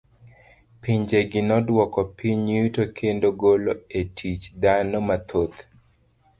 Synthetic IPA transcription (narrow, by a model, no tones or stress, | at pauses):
piɲd͡ʒeɡɪnɔdwɔkɔpiɲutokʰendoɡoloetʰit͡ʃd̪anomat̪ʰot̪